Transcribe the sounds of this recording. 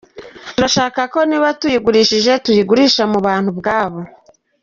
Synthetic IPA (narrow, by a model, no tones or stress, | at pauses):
tuɾaʃaːkako̞niβatujiɡuɾiːʃiʒe̞tujiɡuɾiʃamuβaːn̥hubɡaːβo̞